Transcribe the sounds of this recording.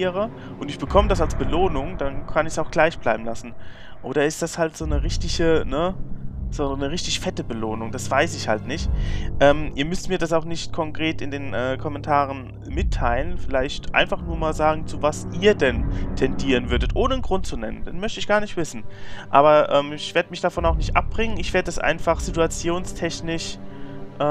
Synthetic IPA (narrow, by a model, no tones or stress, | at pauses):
ʁə | ʔʊntɪçb̥əkʰɔmədas̬alsb̥əloːnʊŋd̥ankʰanɪçsaʊxɡ̥laɪçb̥laɪbm̩lasn̩ | ʔoːɾɐɪstd̥ashaltz̥oːnəʁɪçtɪçənəz̥oːnəʁɪçtɪçfɛtəbəloːnʊŋd̥asv̥aɪsɪçha̰ltnɪçtʔɛːmʔḭːɐmʏstmiːɐdas̬aʊxnɪçtkʰɔŋkʁ̥eːtɪndeːnʔɛːkʰɔmɛntʰaːʁ̞ən | mɪtʰːaɪlənfɪlaɪçtʔa̰ɪnfaχnuːɐmaːlzaːɡŋ̩t͡suvasʔiːɐdɛntʰɛndiːʁənvʏɐdətʔoːnəənɡ̥ʁʊntt͡sunɛnənd̥eːnmœçtəɪçɡ̥aːɐnɪçtv̥ɪsn̩ʔa̰ːbɐʔɛːmɪçv̥eːɐdəmɪçd̥afɔnaʊxnɪçtʔa̰p̚b̥ʁɪŋənɪçv̥eːɐdədasʔa̰ɪnfaχz̥ituat͡sjoːnstʰɛçnɪʃʔɛː